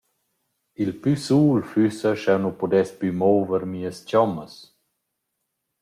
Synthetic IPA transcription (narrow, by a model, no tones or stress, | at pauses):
ilpysuːlfysəʃɛwnupɔd̪ɛspymɔːvəɾmiːəst͡ɕɔməs